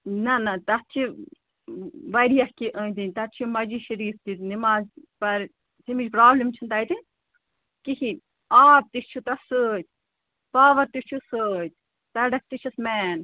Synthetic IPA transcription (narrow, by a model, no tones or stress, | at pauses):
nɐnɐt̪ɐt̪̚t͡ʃʰi | ʋɐɾijɐhkiʔəːt̪inʲt̪ɐt̪t͡ʃʰimɐd͡ʒiʃɐɾiːft̪it̪nimaːzpɐɾ | simit͡ʃpɾaːblimt͡ʃʰint̪ɐjt̪i | kiki | aːp̚t̪ist͡ʃʰut̪ɐsəːt̪ʲ | paːʋɐɾt̪ist͡ʃʰusəːt̪̚ʲ | t̪ɐɖɐs̚t̪it͡ʃʰismɛːn